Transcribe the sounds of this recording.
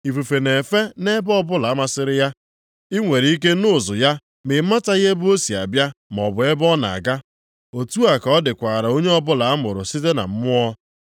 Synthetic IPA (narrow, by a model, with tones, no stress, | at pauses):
i˨fu˨fe˨ne˨fe˦ne˦bɔ˦bʊ˦la˨a˦ma˦sɪ˦ɾɪ˦ja˦ | i˦ŋʷe˨ɾi˨i˦k̬e˦nʊ˦˨zʊ˨ja˦ | mɪ˨˦ma˦ta˦ɣe˦bʊ˦o˦si˨a̰˨bja˦m˨ɔ̰˨bʊ˨e˦bɔ˦na̰˨ɡa˦ | o˨tu˦a˨ka˨ɔ˦dɪ˨kʷa˨ɾa˨o˦ɲe˦ɔ˦bʊ˦la˨˦mʊ˨ɾʊ̰˨si˦te˦na̰˨m̩˦mʊ˦ɔ˦